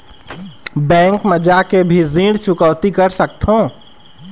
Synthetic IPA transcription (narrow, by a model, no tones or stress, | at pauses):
bɛ̃ːŋkməd͡ʒakebʱizĩːɽt͡ʃʊkəʋt̪ikəɾsək̚t̪ʰɦõː